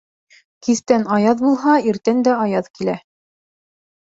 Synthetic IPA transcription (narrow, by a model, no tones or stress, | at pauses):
kiθt̪ænɑjɑðbulˠɦɑiɾt̪ænd̪æɑjɑðkilæ